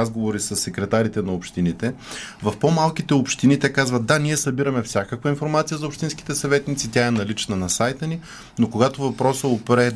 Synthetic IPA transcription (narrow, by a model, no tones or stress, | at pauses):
azɡovoɾisəsːɛkɾɛt̪aɾit̪ɛnɐopʃt̪init̪ɛvɐfpomalˠkit̪ɛopʃt̪init̪ɛkazvət̪d̪aniɛsɐbiɾɐmɛfsʲjakəkvɐinfoɾmat̪sijəzɐopʃt̪ins̬ki̥t̪ɛsɐvɛt̪nit̪sit̪ʲaɛnɐlit͡ʃnɐnɐsajt̪əni | nokoɡat̪ovɐpɾɔsəopɾɛ